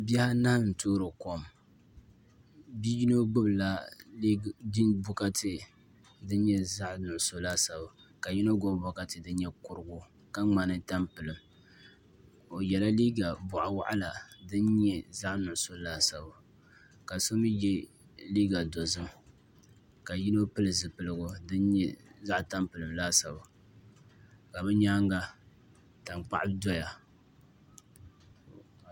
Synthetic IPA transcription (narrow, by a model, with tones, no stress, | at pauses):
bja˦ha˦na˦hn̩˨toː˦ɾɨ˨ko˦˨m | bi˦ji˦no˦ɡ͡bʊ˦bla˦ | i˦bʊ˦ka˦tʰɨ˦ | dɨ˦nɲɛ˦za˦ʔnʊ˨ʔʊ˨so˦la˦sa˨ba˨ | ka˨ji˦no˦ɡo˦bbʊ˨˦ka˦tɨ˨dɨ˦n˦ɲɛ˦kʊ˦ɾɨ˨ɡʊ˦ | ka˦ŋ͡ma˨nɨ˦ta˦mpɨ˨lɨ˨m | o˨jɛ˨la˦liː˦ɡa˨bʊ˨ʔa˨wa̰˦ʔa˦la˨dɨ˦nɲɛ˦za˦ʔnʊ˨ʔʊ˦so˦laː˦sa˨ba˨ | ka˨so˦mi˦jɛ˦ | liː˦ɡa˨do˨zɨ˦m | ka˨ji˦no˦pɨ˦lɨ˨zɨ˨pɨ˦lɨ˦ɡʊ˨dɨ˦n˦ɲɛ˦za˦ʔta˦mpɨ˨lɨ˨mlaː˦sa˨ba˨ | ka˨bɛ˦ɲaː˦ŋɡa˦ | ta˨mk͡pa̰˦ʔɪ˦dɔ˦ja˨